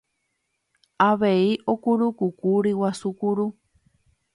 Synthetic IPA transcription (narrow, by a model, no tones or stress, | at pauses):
aʋe̞iʔo̞kuɾukukuɾiwasukuɾu